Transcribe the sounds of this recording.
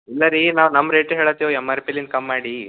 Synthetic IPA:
ilːɐɾinaːʋnɐmːɾeːʈɦeːɭɐt̪ːijʋoɛmːɐɾpilind̪̚kɐmːaːɽi

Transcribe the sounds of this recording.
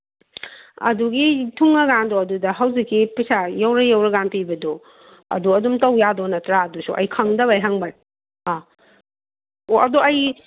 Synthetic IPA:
ɐ̰duɡitʰuŋːɐɡandɔɐdudɐɦɐwzikːipisajawɾɐjawɾɐɡanpibɐdo | ɐ̰duɐdumtɐwjadonɐtɾaːdusṵʔɐ̰jkʰɐŋdɐβajɦaŋbaj | a | oʔɐdoɐj

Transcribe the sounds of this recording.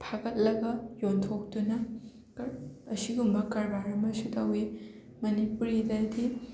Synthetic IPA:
pʰaɡɐt̚lɐɡɐjontʰok̚tunɐ | kɐsiɡumbɐkɐɾbaɾɐmɐsutɐwi | mɐnipuɾidajdi

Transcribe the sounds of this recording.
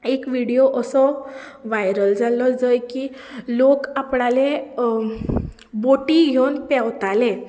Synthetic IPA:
ekʋiɽijoʔəsɔʋajɾəld͡zalɔd͡zəjkiː | lokapɳale | boʈiɡʱewnpɛwt̪ale

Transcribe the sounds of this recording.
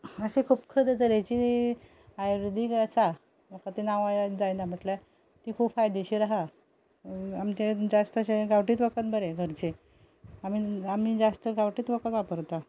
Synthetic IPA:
əsekʰuːpkʰəd̪et̪̬əɾet͡ɕi | ajɾd̪ʱiːkəsa | bəkət̪inaʋajad͡zajnam̤əʈla | t̪iːkʰuːpfajd̪eɕiɾaɦa | amt͡ɕed͡zast̪əɕeɡawʈiːt̪ʋəkət̪bəɾeɡʱəɾt͡ɕe | amiamiːd͡zast̪əɡawʈiːt̪ʋəkət̪ʋapəɾt̪a

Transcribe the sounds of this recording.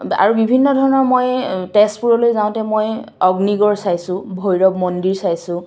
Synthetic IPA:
a̰ɹubibʱinːɔdʱɔɹɔnɔɹmojtɛspuɹɔlojzãw̃tɛmojɔɡniɡɔɹsajsʊ̃bʱojɹɔbmɔndiɹsajsʊ̃

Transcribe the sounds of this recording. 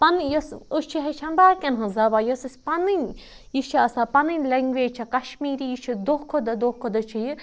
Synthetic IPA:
pɐnjosust͡ʃʰiɦɐt͡ʃʰɐmbaːkʲɐnɦɐ̃zɐʋajosɨsʲpɐnɨn | jit͡ʃʰiɐsapɐnɨnʲlɐŋɡʋeːt͡ʃʰɐkɐʃmiːɾijit͡ʃʰid̪okʰod̪ɐd̪ohkʰːod̪ɐt͡ʃʰiji

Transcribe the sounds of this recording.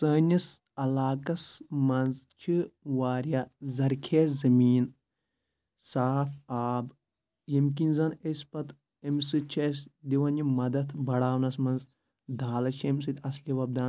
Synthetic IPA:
səːnʲɐs | ɐlaːkɐsmɐnzt͡ʃʰiʋaːɾjazɐɾkʰeːzɐmiːn | saːfaːb | jemk̬inzɐnesʲpɐt̪ | emʲsɨt͡ʃʰesd̪iʋɐnimɐd̪ɐt̪ʰbɐɽaːwnɐsmɐnz | d̪ʱaːlɐt͡ʃʰems̬ɨt̪ʲɐsliʋɐb̚d̪aːn

